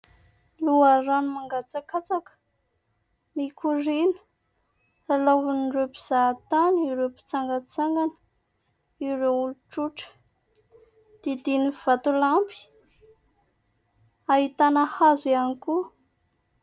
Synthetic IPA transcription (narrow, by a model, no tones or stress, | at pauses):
luaranumaŋɡat͡sakat͡sakə̥ | mikʰurinu̥ | ralaɦunɳɖ͡ʐepi̥z̥at̪aniwɾepi̥t͡saŋɡət͡saŋɡanə̥ | iwɾeuluʈ͡ʂuʈ͡ʂə̥ | d̪̥id̪iniv̥at̪ulampi̥ | aɦit̪anəhazianiku